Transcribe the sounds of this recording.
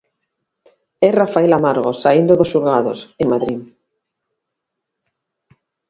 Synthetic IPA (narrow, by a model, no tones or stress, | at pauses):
ɛrafaelamaɾɣosaind̪oðosuɾɣaðoseŋmaðɾi